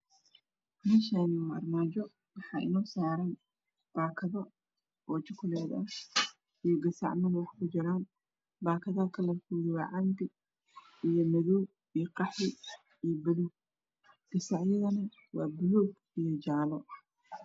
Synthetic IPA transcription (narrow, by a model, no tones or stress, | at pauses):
mɪnʃanɐ̰rmaːd͡ʒɔ | wɑħɑːʔɪ̰nɔːsaːɾan | b̥aːkʰɐðɐ | ɔːt͡ʃɐkʰʊlɛːd̪ɐh | ijɔɡɐsɑ̰ʕmɐnwɑħkʰʊd͡ʒɪɾaːn | baːkʰɐðaːlkʰɐlɐfuːðɪwaʕɑnt̪ʰɪ | ijɔmɐðɔw | ijɔqɑħɪ | ijbɐluɡ | ɡ̥ɐsɑʕjɐðɐnɐ | wɑːbʊlɔːɡ | ijɔd͡ʒaːlɔ